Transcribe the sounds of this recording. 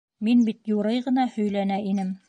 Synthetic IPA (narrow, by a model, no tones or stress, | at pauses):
minbit̪juɾɤjʁɤ̆nɑhɵ̆jlænæʔinɘm